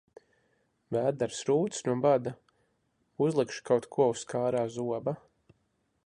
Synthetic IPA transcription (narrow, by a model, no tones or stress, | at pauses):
væːd̪aɾsɾuːt̪snuɔbad̪a | uzlˠɛkʃkawt̪kʰuɔuskʰaːɾaːzuɔba